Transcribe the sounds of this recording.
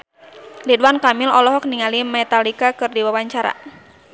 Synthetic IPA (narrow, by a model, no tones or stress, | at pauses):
lidwankamɪlɔlɔɦɔk̚niŋalimɛt̪alikakɨrdiwawaɲt͡ʃaɾa̰